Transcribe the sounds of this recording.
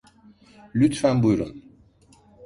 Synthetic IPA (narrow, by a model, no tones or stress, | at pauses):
lyt̪fanbujɾṵn